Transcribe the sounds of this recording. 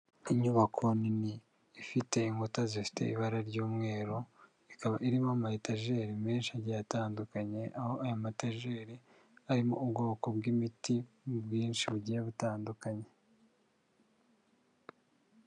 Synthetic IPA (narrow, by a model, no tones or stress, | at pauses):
iɲuβakʰoniniː | fite̞iŋɡutazifi̥te̞̰iβaɾaɾɟuːmŋe̞ːɾo | ikaβaʔiɾimamahitaʒe̞ːɾime̞ːnʃiaɾɟajataːndukaɲe̞ʔaho̞ʔajamataʒe̞ːɾi | aɾimo̞̰ʔubɡo̞ːkobɡimiti | bɡiːnʃiβuɟijeβutaːndukaɲe